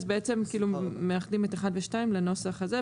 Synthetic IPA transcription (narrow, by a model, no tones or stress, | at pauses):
zbeet͡se̞mkiːlumeaχdimeteχadveʃtaimleno̞saχaze